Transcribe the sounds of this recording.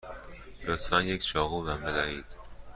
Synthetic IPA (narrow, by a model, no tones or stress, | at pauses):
lot̪ʰfænjekʲʃɒːɣuːvæmbed̪æiːd̪̥